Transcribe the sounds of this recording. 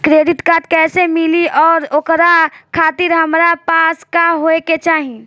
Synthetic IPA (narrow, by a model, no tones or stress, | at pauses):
kɾeːɖɪʈkaːt̪̚kɛːsemɪliʔɔːɾokɾakʰaːt̪ɪɾɦɐmɾapaːskaɦoeket͡ʃaːɦĩ